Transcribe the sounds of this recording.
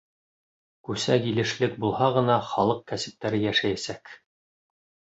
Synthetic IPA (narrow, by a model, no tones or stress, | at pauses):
kʉsækilɘ̆ʃlɘk̚bulˠhɑʁɤ̆nɑχɑlˠɤq̚kæsɘ̆p̚t̪æɾɘjæʃæjæsæk